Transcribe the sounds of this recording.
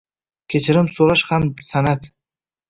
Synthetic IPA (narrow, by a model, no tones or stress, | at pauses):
kʲʰet͡ʃʰɪɾɪmsoɾaʃhamsanat̪